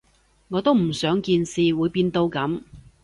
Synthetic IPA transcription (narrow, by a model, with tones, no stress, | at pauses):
ŋɔː˨˧t̪o˥wm̩˨˩sœː˨˥ŋkiː˧nsiː˨wuː˨˧jpiː˧nt̪o˧wkɐ˨˥m